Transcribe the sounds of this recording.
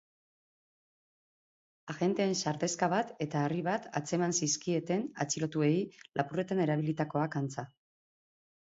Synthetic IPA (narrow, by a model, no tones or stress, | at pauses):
aɣe̞nt̪e̞ːnsaɾt̪e̞skaβat̪e̞t̪aːriβat̪a̰t͡se̞mansiskie̞t̪e̞na̰t͡silo̞t̪ue̞ilʔapure̞t̪ane̞ɾaβ̞ilit̪ako̞akant͡sa